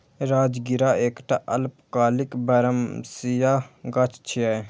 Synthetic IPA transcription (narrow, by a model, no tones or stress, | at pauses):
ɾaːd͡ʒɡɪɾaeːkʈaʔɐlpkaːlɪkbɐɾəmsijaɡat͡ʃʰt͡ʃʰia